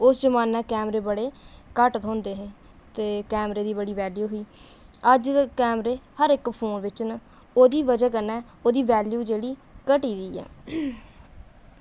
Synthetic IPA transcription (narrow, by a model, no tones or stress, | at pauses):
ʊsd͡ʒəmaːnaːkɛːmɾeːbəɽeːkəʈt̪ɦõːnd̪eːɦeː | t̪eːkɛːmɾeːd̪iːbəɽiːʋɛːljuːɦoiːəd͡ʒkɛːmɾeːhəɾɪkpʰoːnʋɪt͡ʃn | oːd̪iːʋəd͡ʒaːkənɛː | oːd̪iːʋɛːljuːd͡ʒeːɽiːkəʈiːd̪iːɛ̰ː